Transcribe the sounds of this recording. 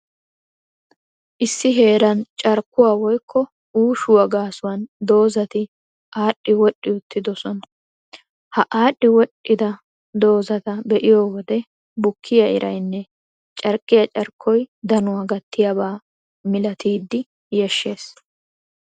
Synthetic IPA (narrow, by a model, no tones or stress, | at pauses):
ʔɪsːɪɦe̞ːɾɐnt͡ʃʼɐɾkːʊwaːwɔjkʰːɔ | uːʃʊwɐɡaːsʊwɐnd̪o̞ːzɐt̪ɪ | ʔaːɗːɪwɔɗːɪʊt̪ːɪd̪ɔsɔnɐ | hɐʔaːɗːɪwɔɗʔːɪd̪ɐ | d̪o̞ːzɐt̪ɐbɛʔɪjowɔd̪ɛ | bʊkʰːɪjɐɪ̰ɾʔɐjnːɛ | t͡ʃʼɐɾkʼːɪjɐt͡ʃʼɐɾkʰːɔjd̪ɐnʊwaɡɐt̪ːɪjɐbaː | mɪlɐt̪iːd̪ːɪ | jɛʃːe̞ːs